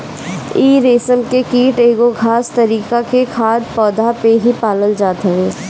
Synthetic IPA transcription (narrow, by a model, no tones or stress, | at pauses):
iːɾeːsəmkekiːʈeːɡoɡʱaːst̪ɐɾiːkakekʰaːd̪pɔːd̪ʱapeɦipaːləld͡ʒaːt̪əʋeː